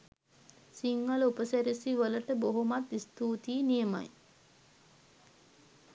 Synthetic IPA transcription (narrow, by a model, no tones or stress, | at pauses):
siŋɡalupəsæɾisiʋələʈəboɦomat̪ist̪uːt̪iːnijəma̰j